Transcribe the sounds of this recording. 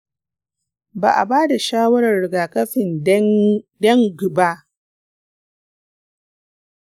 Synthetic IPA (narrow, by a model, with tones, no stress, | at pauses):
ba̰ː˨ʔa̰˨baː˦da˨ʃaː˦wɐ˦ɾɐ˨rːɪ˨ɡaː˨kɐ˦ɸɪ˨n | dɐ˦ŋɡʊ˨ba˦ʔ